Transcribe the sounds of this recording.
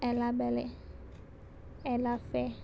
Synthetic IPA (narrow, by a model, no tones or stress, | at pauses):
ɛlabɛlɛ | ɛlafɛ